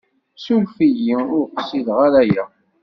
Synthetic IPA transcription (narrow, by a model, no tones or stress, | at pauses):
sulfijiʊɾqsiðʁaɾæjæ